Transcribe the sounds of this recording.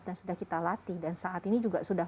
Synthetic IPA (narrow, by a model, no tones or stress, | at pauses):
t̪̚dansudahkit̪alat̪ɪdansaʔat̪inid͡ʒuɡasuda